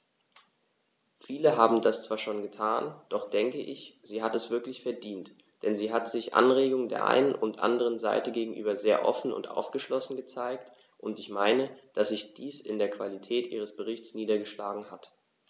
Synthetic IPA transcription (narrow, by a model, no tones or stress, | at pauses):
fiːləɦaːbm̩dast͡sv̥aːɐʃoːnɡətʰaːnd̥ɔχd̥ɛŋkəʔɪçz̥iːɦatɛsv̥ɪɐklɪçfɛɐdiːnt | d̥ɛnziːɦatz̥ɪçʔa̰nʁeːɡʊŋdeːɐʔa̰ɪnənʊntʔa̰ndəʁ̞ənza̰ɪtəɡeːɡŋ̩ʔyːbɐzeːɐʔɔ̰fn̩ʊ̰ntʔa̰ʊfɡ̥əʃlɔsn̩ɡət͡saɪkt | ʔʊntɪçmaɪnəd̥asz̥ɪçd̥iːsɪ̰ndeːɐkv̥alitʰɛːtʔḭːʁ̞əsb̥əʁ̞ɪçt͡sniːdɐɡəʃlaːɡŋ̩hat